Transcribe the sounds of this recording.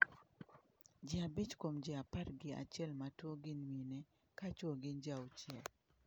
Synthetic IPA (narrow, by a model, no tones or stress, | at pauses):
d͡ʒɪabit͡ʃkomd͡ʒɪapatɡɪa̰t͡ʃjɛlmatwoɡɪnwinɛ | kat͡ʃwoɡɪnd͡ʒaot͡ʃɛl